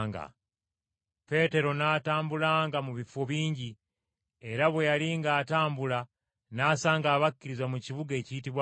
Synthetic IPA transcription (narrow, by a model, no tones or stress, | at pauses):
ŋɡa̰ | pe̞te̞ɾo̞naːtaːmbulaːŋɡamuβifo̞βiːɲɟi | e̞ɾaβwejaliŋɡaːtaːmbula | naːsaːŋɡaːβakːiɾizwamuciβuɡe̞ːciːtiβwa